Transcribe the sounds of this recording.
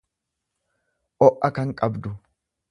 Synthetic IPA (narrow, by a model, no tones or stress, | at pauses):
ʔɔʔːɐkɐŋkʼɐbd̪ʊ